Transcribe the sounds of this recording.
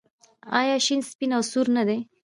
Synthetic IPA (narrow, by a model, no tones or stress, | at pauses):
ɑjɑʃinspinawsuɾnad̪e